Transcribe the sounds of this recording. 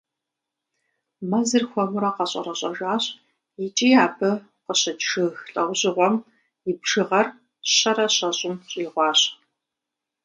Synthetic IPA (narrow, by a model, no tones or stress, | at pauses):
mɐzɨrxʷɔmʊɾɐqɐɕʼɐ̰rɐɕʼɐʒʷaːɕʼ | jɪt͡ʃʼiːaːbʰɨ | qəɕɐdʂɨxɬʼɐwʑɪʁʷɔm | jɪbʈ͡ʂɨʁɐr | ɕɐɾɐɕɐɕʼɪmɕʼiːʁʷɑːɕ